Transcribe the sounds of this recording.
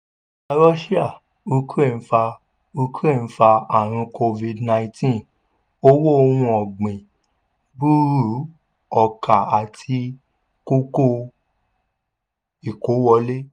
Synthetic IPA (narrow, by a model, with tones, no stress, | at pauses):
a˧ɾɔ˦ʃi˦a˦˨ | u˦ke˦˨ñ̩˦fa˧ | u˧kẽ˦˨˦fa˧a˨ɾ̃ĩ˧kʰo˧vi˧dnã˧ĩ˧tĩ˦˨ | o˦wo˦o˧wũ˧ɔ˨ɡ͡bĩ˨ | bu˦ɾu˨˦ | ɔ˨ka˨a˨tʰi˧ | ko˦ko˦ | i˨ko˨˦wɔ˧le˦